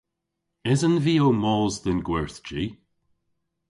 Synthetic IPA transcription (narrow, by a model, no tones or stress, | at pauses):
ɪzənviːomɔːzd̪ɪnɡwɛɹθd͡ʒi